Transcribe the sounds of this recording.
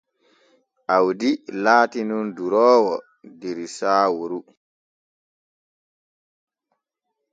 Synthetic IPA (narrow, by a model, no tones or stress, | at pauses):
ʔawdilaːtinunduɾɔːwɔ | diɾisaːwuɾu